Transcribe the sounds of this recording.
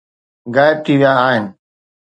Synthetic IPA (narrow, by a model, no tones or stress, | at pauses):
ɡaːɪb̚t̪ʰiːʋjãaːɦɪnɪ